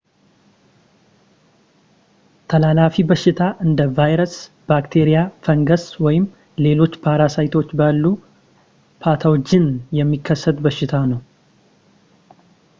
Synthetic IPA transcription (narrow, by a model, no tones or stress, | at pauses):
t̪ʰəlalafibəʃɪt̪ʰaʔɨnd̪əvajɾəs | b̥akt̪ʰeɾijafəŋɡəswɔjɪm | le̞lo̞t͡ʃːpʰaɾasajt̪ʰo̞t͡ʃːbalːu | pʰat̪ʰawot͡ʃːɪnjɛmːikːəsːət̪bəʃːɪt̪ʰanəw